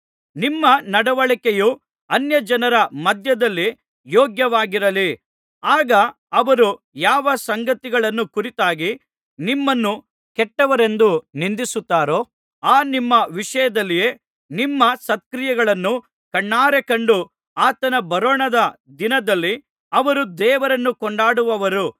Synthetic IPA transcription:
nimːɐnɐɽɐʋɐɭikeju | ɐnjɐd͡ʒɐnɐɾɐmɐd̪ʱjɐd̪ɐlːi | jɔːɡjɐʋaːɡiɾɐli | aːɡɐ | ɐʋɐɾu | jaːʋɐsɐŋɡɐt̪iɡɐɭɐnːukuɾit̪aːɡi | nimːɐnːu | kɛʈːɐʋɐɾe̞nd̪unind̪isut̪ːaːɾoː | aːnimːɐʋiʂɐjɐd̪ɐlːije̞ː | nimːɐsɐt̪̚kɾijɐɡɐɭɐnːu | kɐɳːaːɾekɐɳɖu | aːt̪ɐnɐbɐɾoːɳɐd̪ɐd̪inɐd̪ɐlːi | ɐʋɐɾud̪ɛːʋɐɾɐnːukɔɳɖaːɽuʋɐʋɐɾu

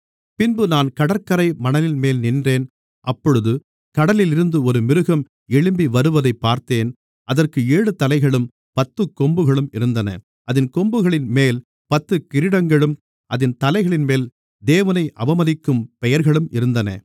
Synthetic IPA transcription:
pɪnbɯnaːnkɐɽɐɾkɐɾɐɪmɐnɐlɪnmeːlnɪndreːn | ʔɐpːɔɻɯðɯ | kɐɽɐlɪlɪɾɯnd̪ɯɔɾɯmɪɾɯɣɐm | ɛɭɯmbiʋɐɾɯʋɐðɐɪpːaːɾt̪eːn | ʔɐðɐrkɯeːɽɯt̪ːɐlɐɪɣɐɭɯm | pɐt̪ːɯkːɔmbɯɣɐɭɯmɪɾɯnd̪ɐnɐ̰ | ʔɐðɪnkɔmbɯɣɐɭɪnmeːl | pɐt̪ːɯkɪɾɪɽɐŋɡɐɭɯm | ʔɐðɪnt̪ɐlɐɪɣɐɭɪnmeːl | d̪eːʋɐnɐɪʔɐʋɐmɐðɪkːɯmpɛjɐɾɣɐɭɯmɪɾɯnd̪ɐnɐ̰

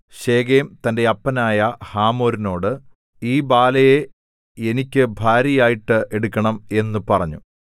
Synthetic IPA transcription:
ɕeːɡeːmt̪ɐnde̞ɐpːɐnaːjɐhaːmoːɾino̞ːɽɨ | iːbaːlɐje | enikʲːɨbʱaːɾjɐjaːjiʈːɨʔe̞ɽukʲːɐɳɐme̞nːɨpɐrɐɲːṵ

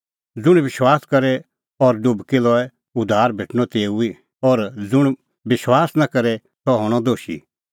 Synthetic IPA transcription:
d͡zʊɽ̃bɪʃwaːskɐɾɛ | ɔɾɖʊbkilɔɛ | ʊd̪ʱːaːɾbʱeːʈʰñɔt̪eːui | ɔɾd͡zʊɽ̃ | bɪʃwaːsnakɐɾɛ | t̪ɔɦɔɽ̃ɔd̪oːʃḭ

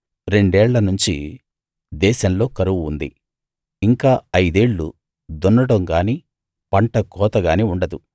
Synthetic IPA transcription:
ɾe̞ɳɖɛːɭːɐnuɲt͡ʃi | d̪ɛːʃɐmlo̞ːkɐɾuʋuːnd̪i | iŋkaːɐjd̪eːɭːṵ | d̪onːɐɽɐŋɡaːniː | pɐɳʈɐkɔːt̪ɐɡaːniːuɳɖɐd̪u

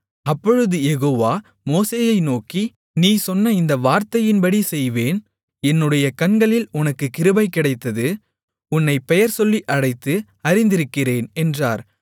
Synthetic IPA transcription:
ɐpːɔɻɯðɯjɛɣoːʋaː | moːseːjɐɪnoːki | niːsɔnːɐɪnd̪ɐʋaːɾt̪ɐjɪnbɐɽisɛjʋeːn | ɛnːɯɽɐjɐkɐnɡɐɭɪlʊnɐkːɯkːɪɾɯbɐɪkːɪɽɐɪt̪ːɐðɯ | ʊnːɐɪpːɛjɐɾsɔlːiʔɐɽɐɪt̪ːɯ | ɐɾɪnd̪ɪɾɯkːɪreːnɛndraːɾ

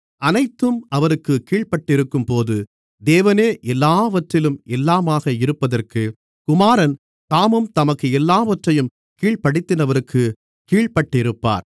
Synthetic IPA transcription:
ɐnɐɪt̪ːɯmɐʋɐɾɯkːɯkːiːɭpɐʈːɪɾɯkːɯmpoːðɯ | d̪eːʋɐneːʔɛlːaːʋɐʈrɪlɯmɛlːaːmaːɣɐɪɾɯpːɐðɐrkɯ | kʊmaːɾɐn | t̪aːmɯmt̪ɐmɐkːɯɛlːaːʋɐʈrɐjɯm | kiːɭpɐɽɪt̪ːɪnɐʋɐɾɯkʰːɯ | kiːɭpɐʈːɪɾɯpːa̰ːɾ

